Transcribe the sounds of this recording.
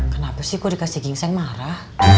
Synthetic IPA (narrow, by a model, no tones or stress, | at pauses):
kənapasihkoɾikasiɡɪŋsaŋmaɾah